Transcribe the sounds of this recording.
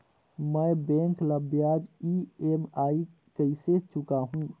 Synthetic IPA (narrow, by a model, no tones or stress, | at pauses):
məjbẽŋkləbjad͡ʒiemai | kəiset͡ʃukaɦũ